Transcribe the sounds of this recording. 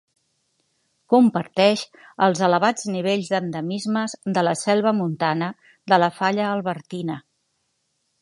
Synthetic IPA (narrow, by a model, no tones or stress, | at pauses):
kumpəɾt̪ɛʃ | əlˠzələβad͡zniβ̞eʎzðənd̪əmizməzd̪ələsɛlˠβəmunt̪anə | d̪ələfaʎəːlˠβəɾt̪inə